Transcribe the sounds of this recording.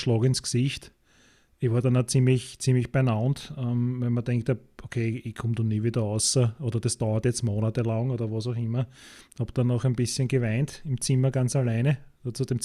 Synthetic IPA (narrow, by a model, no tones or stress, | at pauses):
ʃlɑːkɪnsksiçt | ɪçʋaːɐdɑnat͡simlɪçt͡simlɪçb̥ɛnantɛmvɛnmɐdɛŋktaokʰeːɪkʰʊ̃md̥oniːʋiːdɐɔʊsɐʔoːdɐdesd̥aʊɐtjɛt͡stmoːnatəlaŋoːdɐʋɑsaʊxɪmɐhɑb̥d̥anɑxɛɪnb̥ɪsçənɡəvæɪntɪmt͡simɐɡant͡salæɪnədot͡sud̥em